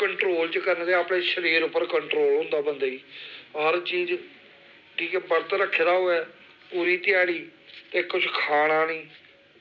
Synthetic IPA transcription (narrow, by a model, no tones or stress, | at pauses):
kəɳʈɾoːlt͡ʃkəɾnd̪eːaːpɽeːʃəɾiːɾʊpːəɾkəɳʈɾoːlɦʊ̃nd̪aːbənd̪aːiːɦəɾt͡ʃiːz | kiːkɛːpəɾt̪ɾəkʰːed̪aːɦoːɛː | puːɾiːt̪ɪjaːɽiːt̪eːkːʊt͡ʃʰkʰaːɽ̃aːnĩː